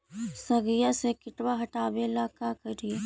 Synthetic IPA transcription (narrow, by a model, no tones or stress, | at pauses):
sɐɡijasekɪʈwaɦɐʈaːbelaːkakɐɾie